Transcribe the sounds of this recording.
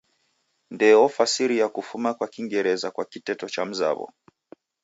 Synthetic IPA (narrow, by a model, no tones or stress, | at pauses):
ndɛɔfasiɾijakufumakwakiŋɡɛɾɛzakwakitɛtɔt͡ʃam̩za̰βɔ̰